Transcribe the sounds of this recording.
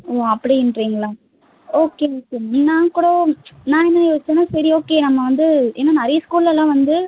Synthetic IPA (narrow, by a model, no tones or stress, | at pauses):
oːɐpːɐɽiɪnɖɾiːŋɡɐɭaː | oːkːejoːkenãːkuːɽɐnãːɛnːɐjoːst͡ʃːenɐ̃sɐɾioːkːeːnɐmːɐʋɐnd̪ɯeːnːaːnɐɾɐjɐskuːɭlɛlãːʋɐnd̪ɯ